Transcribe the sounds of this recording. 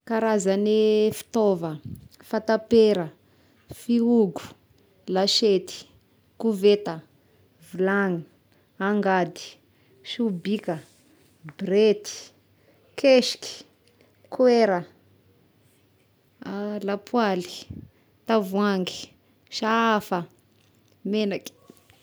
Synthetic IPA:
kaɾazanifi̥t̪ovəfat̪apeɾə | fiuɡu̥ | laʃet̪i̥ | kuvet̪ə | vilaŋ | aŋɡad̪i̥ | ʃubikə | bret̪i̥ | keʃi̥ki̥ | kweɾə | lapʰwali̥ | t̪avwaŋɡi̥ | ʃaafə | menaki̥

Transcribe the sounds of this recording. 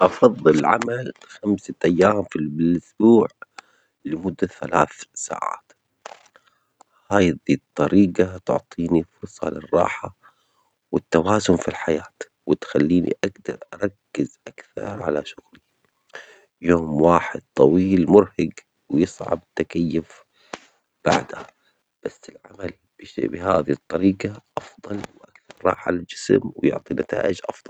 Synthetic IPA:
ʔɑfɑðˤːɨlʕa̰malxamsaʔajːaːmfibɪlʔʊsbuːʕ | lɪmʊd̪ːaθala̰ːθsa̰ːʕa̰ːt̪ | haːjd̪iːt̪ˤːɑɾiːɡat̪ʊ̰ʕt̪ˤʰiːnifʊɾsˤɑ̰lɪrˤːɑ̰ːħa | wɪt̪ːawaːzʊnfilħajaːt̪ | wɪt̪xalːiːnḭʔaɡd̪ɑ̰ɾˤʔɑɾˤɑkːɪzʔakθɑ̰ɾˤʕa̰laʃʊɣlɪjːa | joːmwaːħɪd̪̚t̪ˤɑwiːlmʊɾhaɡ | wjɨsˤʕɑ̰bɪt̪ːakajːʊf | b̥a̰ʕd̪aha | b̥asːɪlʕamal | b̥bɪɦaːðit̪ˤːɑɾiːɡaʔɑfðˤɑlwʔakθɑɾˤɾˤɑ̰ːħalɪld͡ʒɪsmwɪjʊ̰ʕt̪ˤinat̪a̰ːʔɪd͡ʒʔɑfðˤɑl

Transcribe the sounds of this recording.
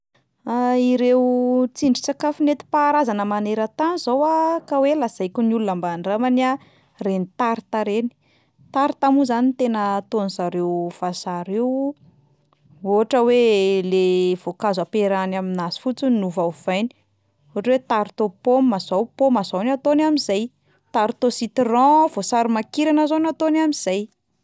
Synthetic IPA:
aiɾewt͡siɳɖ͡ʐi̥t͡sakafinet̪i̥paːɾazanəmaneɾət̪anizowakawelazajkʲunulunambaɳɖ͡ʐamania | renit̪aɾit̪aɾeni̥ | t̪aɾit̪amuzanit̪enət̪onizaɾewv̥asaɾew | oɦaʈ͡ʂəwelev̥okazapeɾanaminazi̥fut͡sunuvawv̥ajni̥ | oʈ͡ʂwet̪aɾit̪opomːazawpomazawnat̪onamizaj | t̪aɾit̪osit̪irɔ̃vosaɾimakiɾanəzonat̪onamiz̥aj

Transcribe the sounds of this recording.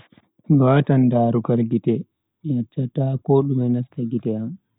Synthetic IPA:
miwaːtandaːɾukalɡitɛ | mijat͡ʃːatakɔɗumɛnastaɡitɛam

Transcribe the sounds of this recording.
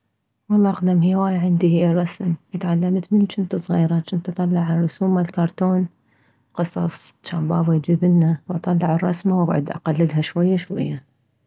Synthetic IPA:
wɑlˤːɑːʔqd̪amhɪwaːjʕand̪irˤɑsmʔɪt̪ʕalːamt̪mɪnt͡ʃɪnt̪ɨsˤɣiːɾɑt͡ʃɪnt̪ɑt̪ˤːɑlːɑʕarˤːʊsuːmalkɑɾˤt̪oːn | qɨsˤɑ̰sˤt͡ʃaːmbɑːbajd͡ʒiːbɪnːawʔɑt̪ˤɑlːɑʕɪrˤːɑsmawaɡʕʊ̰d̪ʔa̰qalːɪd̪ɦaʃwajːaʃwa̰jːa

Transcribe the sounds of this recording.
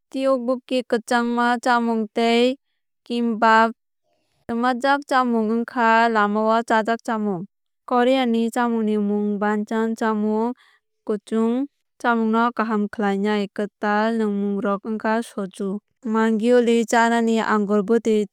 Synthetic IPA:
tiɔk̚bukːikɯt͡ʃaŋmat͡ʃamuŋtej | kimbap̚ | dɯmad͡ʒak̚t͡ʃamuŋɯŋkʰalamawat͡ʃadak̚t͡ʃamuŋ | kɔɾijanit͡ʃamuŋnimuŋbant͡ʃant͡ʃamuŋ | kɯt͡ʃuŋ | t͡ʃamuŋnɔkaɦamkʰəlajnajkɯtalnɯmuŋɾɔkɯŋkʰasɔd͡ʒu | maŋɡiɔlit͡ʃananiʔa̰ŋɡɔlbɯte

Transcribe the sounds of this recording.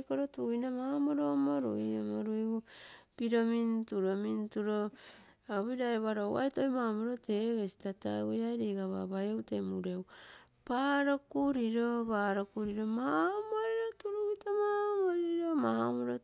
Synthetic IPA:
koɾotujnamaamoɾomoɾṵiomoɾuiɡupiɾo̞mintuɾomintuɾo | aβiɾajoβaɾowa̰jtojmamoɾo̞te̞ɡesi̥tata̰ujajɾiɡaβa̰βajowtemuɾew | paɾokuɾiɾobaːɾokuɾiɾo̞mamoɾiɾotuɾuitamamoɾiɾomahamoɾo

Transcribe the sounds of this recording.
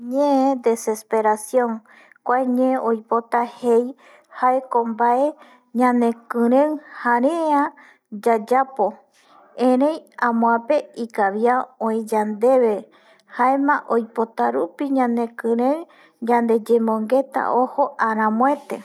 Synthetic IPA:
ɲẽed̪e̞se̞spe̞ɾasjõ̞ŋ | kʷaeɲẽʔojpot̪ahej | hae̞kombae̞ | ɲãnẽ̞kɨ̃ɾẽŋhaɾẽã | d͡ʒad͡ʒapo̞ | ẽɾẽjãmõãpe̞ikaβjaõĩd͡ʒand̪e̞βe̞ | haemãʔo̞jpo̞t̪aɾupiɲãne̞kɨ̃ɾẽŋ | d͡ʒãnd̪e̞d͡ʒemõŋɡe̞t̪a̰ʔoho̞ʔaɾ̃ãmõe̞t̪e̞̰

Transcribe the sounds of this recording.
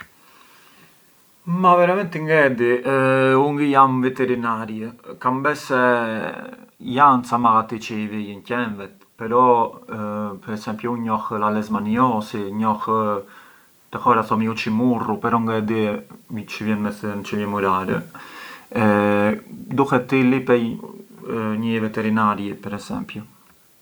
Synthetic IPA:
mavɛɾamɛnt̪əŋɡɛd̪i | uŋɡijamvɛt̪ɛɾinaɾjəkambɛsɛ | jant͡samaɣat̪it͡ʃəivijəncɛnvɛt̪pɛɾɔ | pɛɾɛsɛmpjuuɲɔxlalɛzmaniɔsiɲɔx | t̪ɛhɔɾaθɔmiut͡ʃimurupɛɾɔŋɡaɛd̪it͡ʃəvjɛnmɛθnt͡ʃəvjɛmuɾaɾɛ̰ | d̪uhɛt̪ːilipɛj | ɲəɛvɛt̪ɛɾinaɾjɛpɛɾɛsɛ̰mpju

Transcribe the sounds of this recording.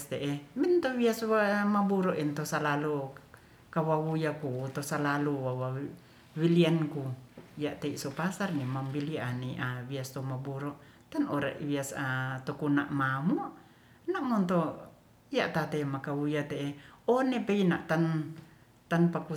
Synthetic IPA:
st̪eʔemint̪owiaswamabuɾoʔint̪osalalu | kawawujakut̪osalaluwawa | wiliankujaʔt̪eiʔsopasarnimambilianiʔawiast̪omabuɾɔʔ | t̪anoɾa̰ʔβiasat̪okunaʔmamuʔ | naʔmɔnt̪o | ija̰ʔt̪at̪emakawujat̪eeonepeinaʔt̪an | t̪anpaku

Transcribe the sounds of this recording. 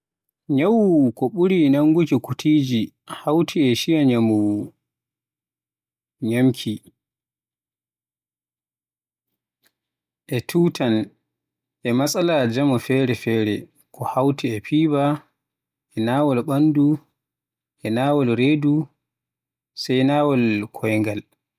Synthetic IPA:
ɲawuwukɔɓuɾinaŋɡukikutʰiːd͡ʒi | hawtʰiɛʃijaɲamuwu | ɲamkʰi | ʔɛtʰuːtʰan | ʔɛmasʼalad͡ʒamɔfɛɾɛfɛːɾɛ | kʰɔhawtiɛpʰiːba | ʔɛnawɔlɓandu | ʔɛnaːwɔlɾeːdu | sajnaːwɔlkʰɔjŋɡal

